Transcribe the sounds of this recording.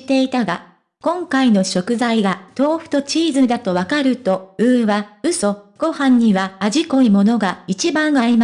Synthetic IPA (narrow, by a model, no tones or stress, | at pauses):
t̪e̞it̪aɡa | kõ̞ŋkaino̞ɕo̞kɯ̟zaiɡat̪o̞ːɸɯ̟̥t̪o̞t͡ɕiːzɨd̪at̪o̞βakaɾɯ̟t̪o̞ɯ̟βaɯ̟so̞ɡ̥o̞hãɲ̟ːiβaːʑiko̞imo̞no̞ɡait͡ɕibãɰ̃ɡaɾima